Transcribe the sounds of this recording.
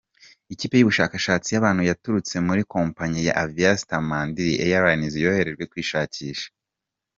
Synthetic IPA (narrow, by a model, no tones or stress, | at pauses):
iciːpe̞juβuʃakaʃaːt͡sijaβaːn̥hujatuɾut͡se̞muɾiko̞ːmpaɲija̰ʔaviasitamaːndiɾiʔejaɾanizijo̞he̞ɾe̞ʒɡwe̞kwiːʃaːciːʃḁ